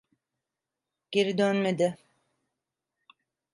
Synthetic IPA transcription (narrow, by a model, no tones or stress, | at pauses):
ɟ̥eɾid̪ønmed̪ɪ